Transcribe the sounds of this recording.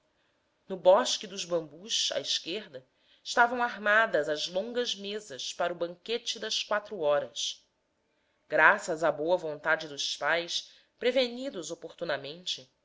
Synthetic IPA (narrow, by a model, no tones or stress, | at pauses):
nʊbɔʃkɪd̪ʊʒbɐ̃mbuʃa̰iʃkeɾd̪ɐ | ɪʃt̪avɐ̃w̃aɦmad̪ɐzɐzlõŋɡɐzmezɐʃpaɾʊbɐ̃ŋket͡ʃɪd̪ɐskwat̪ɾuɔɾɐs | ɡ̥ɾasɐzabowɐvõnt̪ad͡ʒɪd̪ʊspajs | pɾeveɲid̪ʊzopoɾt̪unɐmẽnt͡ʃɪ